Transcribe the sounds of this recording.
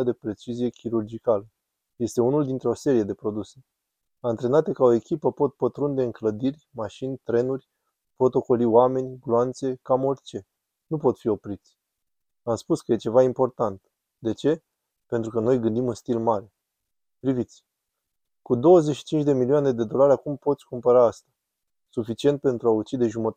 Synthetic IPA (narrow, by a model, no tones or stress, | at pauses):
ad̪e̞pɾe̞t͡ʃizije̞kʲiɾurd͡ʒikalə | je̞st̪e̞unuld̪int̪ɾeo̞se̞ɾije̞d̪e̞pɾo̞d̪use̞̥ | ant̪ɾe̞nat̪ekao̞e̞kʲipəpo̞t̪̚pət̪ɾund̪e̞ɨŋkləd̪irʲmaʃinʲt̪ɾe̞nurʲ | pɾo̞t̪o̞ko̞lioame̞nʲɡloant̪se̞kamo̞rʲt͡ʃe̞ | nupo̞t̪fio̞pɾit̪sʲ | amspuskəje̞t͡ʃe̞vaimpo̞rt̪ant̪ | d̪e̞t͡ʃe̞ | pe̞nt̪ɾukəno̞jɡɨnd̪imunst̪ilmaɾe̞ | pɾivit̪sʲ | kud̪o̞wəzeʃi̥t͡ʃint͡ʃd̪e̞milioaned̪e̞d̪o̞laɾʲakumpo̞t̪sʲkumpəɾaast̪ḁ | sufit͡ʃie̞nt̪̚pe̞nt̪ɾuaut͡ʃid̪e̞ʒumət̪a